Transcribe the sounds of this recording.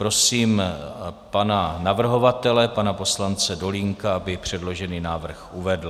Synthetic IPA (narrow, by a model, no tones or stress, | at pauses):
pɾo̞siːm | pananavr̩ɦo̞vat̪ɛlɛpanapo̞slant͡sɛdo̞liŋkaabɪpr̝̥ɛdlo̞ʒɛniːnaːvr̩xʔuvɛdl̩